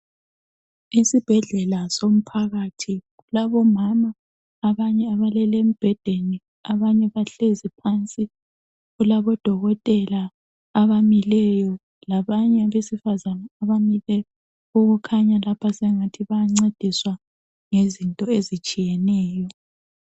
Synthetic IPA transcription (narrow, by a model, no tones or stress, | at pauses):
isib̥ʱɛɮɛlasom̩pʰaɣatʰiɣulaβɔmamaː | βaɲɛaβalɛlem̩b̥ʱɛd̥ʱeni | aβaɲɛβaɬezipʰant͡sʼi | ɣulaβɔd̥ʱɔɣɔtʼɛlaː | βamilɛjɔ | laβaɲɛaβesifazanaaβamilɛ | uɣukʰaɲalapʰasɛŋatʰiβajaŋ͡ǀed̥ʱiswa | ŋezintʼɔezit͡ʃʼijɛnɛːjɔ